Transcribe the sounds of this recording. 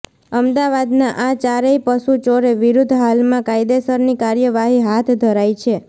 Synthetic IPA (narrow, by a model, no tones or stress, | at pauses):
əmd̪aʋad̪nãʔat͡ʃaɾeipəsut͡ʃoɾeʋiɾud̪ʱɦalmãkaid̪esəɾnikaɾjəʋaɦiɦat̪ʰd̪ʱəɾajt͡ʃʰe